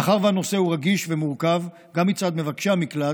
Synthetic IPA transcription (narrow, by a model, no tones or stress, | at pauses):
aχaʁvehano̞se̞huʁaɡiʃvemuʁkav | ɡamːit͡sad̪me̞vakʃamikla